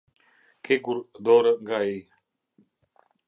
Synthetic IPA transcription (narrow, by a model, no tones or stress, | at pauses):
kʰeɡuɾd̪oːɾɡaːiː